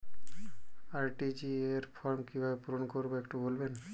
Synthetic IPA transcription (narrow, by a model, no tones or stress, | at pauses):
aɾʈid͡ʑieɾfʰɔɾmkibʱabepuɾonkoɾboekʈubolben